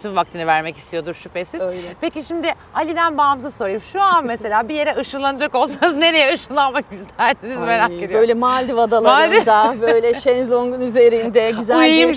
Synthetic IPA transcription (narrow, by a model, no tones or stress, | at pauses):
t̪ʰyvvak̚t̪ʰɯnɯvæɾmɛci̥st̪ʰijo̞d̪uɾʃypesizpʰe̞ciʃimd̪ɪ | alʲid̪ænbaːmzaso̞ɾajɯmʃuanmese̞lʲaːbije̞ɾɛʔɯʃɯnlˠanad͡ʒako̞lˠsaanzne̞ɾe̞jɛɯʃɯnlˠanmakist̪ʰæɾsinizme̞ɾaed̪jø̞jlʲɛmalʲd̪ivad̪alˠaad̪ɪd̪abøjlʲɛʃenzlʲˠoŋɡunyze̞ɾind̪ɛɟyzæulm